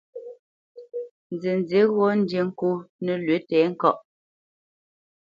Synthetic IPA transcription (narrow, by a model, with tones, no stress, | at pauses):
n˨ze˨n˨ze˨˦ɣɔ˦n̩˦dje˨ŋ̩˦ku˦nə˨lɥe˨˦tɛː˨˦ŋ̩˦kɔ˦˨ʔ